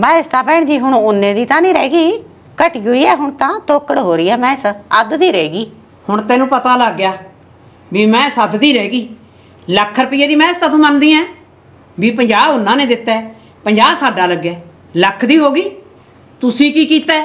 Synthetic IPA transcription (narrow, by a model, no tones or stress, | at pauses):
baːɪst̪ãːpɛ̃ːɳd͡ʒiːɦʊɳʊnːẽːd̪iːt̪ãːnĩːɾɛ̰ːɡiː | kəʈiːɦoːiːɛːɦʊɳt̪ãːt̪oːkəɽɦoːɾiːɛːmɛ̃ːɪsəd̪d̪iːɾɛːɡiː | hʊɳt̪ɛːnũːpət̪aːləɡːjaː | biːmɛ̃ːɪsəd̪d̪iːɾɛːɡiː | ləkʰːəɾpiːɛːd̪iːmɛ̃ːst̪ãːt̪ʰõːmənd̪iːɛ̃ː | biːpəɲd͡ʒaːbʊnãːnẽːd̪ɪt̪ːɛː | pəɲd͡ʒaːbsaːɖaːləɡɛː | ləkʰːd̪iːɦoːɡiː | t̪ʊsiːkiːkiːt̪ɛː